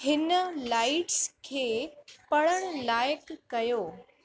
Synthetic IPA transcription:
hɪnəlaːɪʈskʰeːpɐɽəɽ̃laːjkːɐjoː

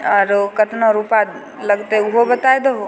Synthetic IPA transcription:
ɔːɾkət̪nɔ̃ɾupa | lɐɡt̪eʊɦobɐt̪aed̪əɦo

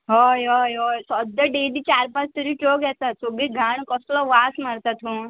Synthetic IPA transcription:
ɦɔjɦɔjɦojsɔd̪aɖed̪it͡ɕaɾpat͡st̪əɾiʈoɡɛt̪at̪soɡiɡʱaɳkɔslɔʋasmaɽt̪at̪ɦũ

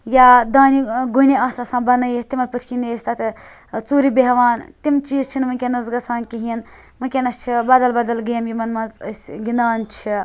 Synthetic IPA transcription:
jad̪aːniɡuniaːsasãːbɐnɐjit̪imɐlpɨt̪ʰʲkʲineːsʲt̪at̪ʰ | t͡suːɾibeɦʋaːnt̪imt͡ʃiːzt͡ʃʰinmɨnʲkʲenɐzɡɐsaːnkiɦin | mɨkʲenɐst͡ʃʰibɐd̪ɐlbɐd̪ɐlɡeːmjimɐnmɐnzəsʲɡinaːnt͡ʃʰi

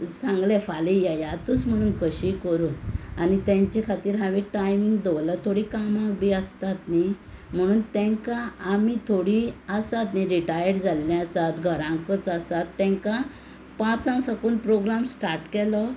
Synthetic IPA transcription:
sãŋɡlɛ̃falijɛjat̪ut͡sm̤əɽ̃uːnkəɕikəɾuːnanit̪ãɲt͡ɕikʰat̪iːɾɦãʋĩʈajmiŋɡd̪oʋlat̪ʰoɽiːkamãk̚bʱiːəst̪at̪ni | m̤əɽ̃uːnt̪ɛ̃ŋkãːmit̪ʰoɽiəsat̪niɾiʈajəɾd͡zalːɛ̃əsat̪ɡʱəɾãŋkət͡sasat̪ːɛ̃ŋka | pãt͡sãsəkuːnpɾoɡɾamsʈaɾʈkɛlɔ

